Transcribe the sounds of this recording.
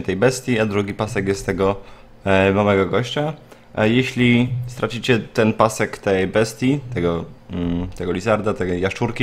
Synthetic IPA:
ɛt̪ɛjbɛst̪ʲjiad̪ɾuɡʲipasɛkjɛst̪ːɛɡɔ | mamɛɡɔɡɔɕt͡ɕa | jeɕlʲist̪ɾʔat͡ɕit͡ɕɛt̪ɛnpasɛkt̪ɛjbɛst̪ʲjit̪ɛɡɔ | t̪ɛɡɔlʲizaɾd̪at̪ɛɡɔjaʂt͡ʂuɾkʲi

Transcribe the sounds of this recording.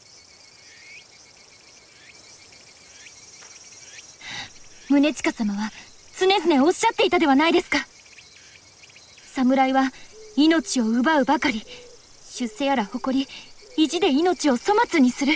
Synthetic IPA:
mɯ̟ne̞t͡ɕi̥kasamaβa | t͡sɨne̞zɨne̞o̞ɕːat̪ːe̞it̪ad̪e̞β̞anaid̪e̞sɨ̥ka | samɯ̟ɾaiβaino̞t͡ɕio̞ɯ̟baɯ̟bakaɾʲi | ɕɨse̞jaɾaho̞ko̞ɾʲiiʑid̪e̞ino̞t͡ɕio̞so̞mat͡sɨɲ̟isɨɾɯ̟

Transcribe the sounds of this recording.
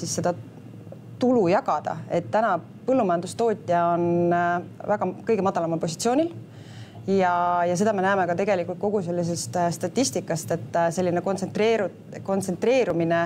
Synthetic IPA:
sisːe̞d̪̥ɑ | t̪ulujɑɡɑd̪̥ɑ̰e̞t̪ːænɑ | pɤlːumɑjɑnd̪ust̪o̞ːt̪ʲːˑijɑo̞n | væɡ̥ɑkɤjɡe̞mɑd̪ɑlɑmɑlpo̞si̥t̪sioːnʲil | jɑjɑse̞d̪ɑme̞næːmekɑt̪e̞ɡ̥elikːˑult̪̚ko̞ɡ̥use̞lːis̬e̞st̪st̪ɑt̪ʲːisʲt̪ikːˑɑst̪e̞t̪ːse̞lːinekontset̪reːɾu | ko̞nt̪se̞nt̪re̞ːɾumine

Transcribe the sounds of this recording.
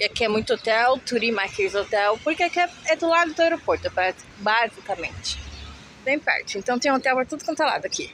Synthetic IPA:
ɪakɪɛmũj̃t̪ʊot̪ɛwt̪uɾimajskelɪzot̪ɛwpoɾkeakɪɛɛd̪ʊlad̪ʊd̪ʊɛɾopoɾt̪ʊɛpɾa | bazikɐmḛ̃nt͡ʃɪ̥ | d̪ẽj̃pɛ̰ɾt͡ʃɪẽt̪ɐ̃w̃t̪ẽj̃ot̪ɛwpɾt̪ud̪ʊkõnt̪ɾola̰d̪ʊaki

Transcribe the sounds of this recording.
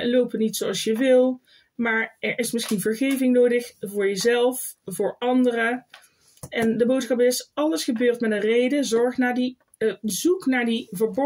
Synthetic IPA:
lowpənitsowɑlˠsjəʋɪlˠ | maːɹɛɹʔɪsmɪsxinvəɹɣejvɪŋnowdəxvʊːɹjəzɛlˠfvʊːɹɑndərə | ɛndəbowtskɑpɪsɑləsχəbøːɹtmɛtənrejdəzɔɹχtnaːɹdi | bəzuknaːɹdivəɹbɔ

